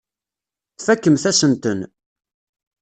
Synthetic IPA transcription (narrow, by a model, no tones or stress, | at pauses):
θfækːəmθæsənt̪ən